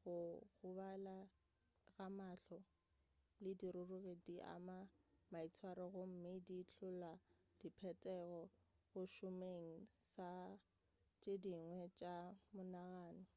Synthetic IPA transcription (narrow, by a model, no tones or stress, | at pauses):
ɣʊɣʊβala | ɣamaɬɔ | lɪdiɾʊrʊɣediʔa̰mamait͡sʰwaɾɔɣʊm̩mɪdit͡ɬʰʊla | d̥ipʰɛtʼɛɣɔɣʊʃʊmeŋ̩sa | t͡ʃʼediŋwɛt͡ʃʼamʊnaɣaːnɔ